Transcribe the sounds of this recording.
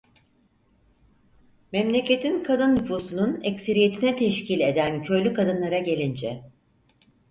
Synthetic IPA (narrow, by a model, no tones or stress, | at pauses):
memlʲe̞cʰe̞t̪ʰinkʰad̪ɯnːufuːsununecse̞ɾije̞t̪ʰinɛt̪ʰɛʃcilʲe̞d̪æncʰø̞jlʲykʰad̪ɯnlˠaɾaɟe̞lʲind͡ʒɛ